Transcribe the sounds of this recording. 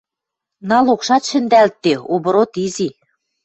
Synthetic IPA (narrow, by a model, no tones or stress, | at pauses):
nɑlokʃɑt̪ʃɘ̆nd̪ælt̪ːeoβɤ̆ɾot̪izi